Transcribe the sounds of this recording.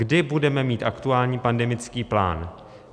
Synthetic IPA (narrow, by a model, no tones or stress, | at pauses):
ɡdɪbudɛmɛmiːt̪ʔakt̪uaːlɲiːpandɛmɪt͡skiːpla̰ːn